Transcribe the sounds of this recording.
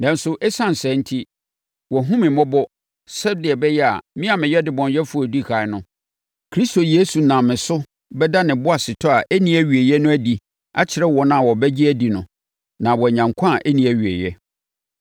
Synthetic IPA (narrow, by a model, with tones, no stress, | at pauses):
nã˨n˦sʊ˦ʔɛ˦sã˦˨n̩˨sɛ̃˨˦n̩˦tʰi˦ | wɔ˨ɦʊ̃˦mɪ̃˨mɔ̃˦bɔ˦ | sɛ˦dɪ˨ɛ˨bɛ˦jɛ˦a̰˨mĩ˦a˨mɪ̃˨jɛ˦dɪ˨˦bɔ̃˨njɛ˦fu˦ɔ˨di˦˨ha˨ɪ˦nʊ̃˦ | kʰɾi˦sto˨je˦su˨nã˨mɪ̃˨sʊ˦ | bɛ˦da˦nɪ̃˨bʊ˦a˨sɪ˨tʰɔ˦a˨ʔæ˦nĩ˦æ˦˨ɥi˨e˨jɛ˦nʊ̃˦æ˦di˨ | a̰˦t͡ɕʰɪ˨ɾɛ˦wɔ˨nã˦a˨wɔ˨bɛ˦d͡ʑi˦æ˦di˨nʊ̃˨ | nã˨wɔ˨ɲã˨ŋkʷʰã˦a˨ʔæ˦nĩ˨æ˨ɥi˨ḛ˨jɛ˦